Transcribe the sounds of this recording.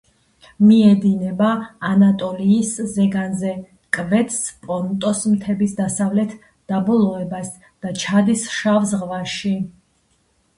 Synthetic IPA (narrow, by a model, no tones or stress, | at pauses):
miɛd̪inɛbaːnat̪ʼɔliːszɛɡanzɛ | kʼvɛt̪ʰspʼɔɾnt̪ʼɔsmt̪ʰɛbisd̪asavlɛt̪ʰ | d̪̥abɔlˠɔɛbas | d̪̥at͡ʃʰad̪isʃavsʁvaʃi